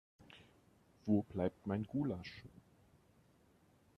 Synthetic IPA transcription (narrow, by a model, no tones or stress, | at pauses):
v̥oːblaɪp̚tmaɪnɡuːlaʃ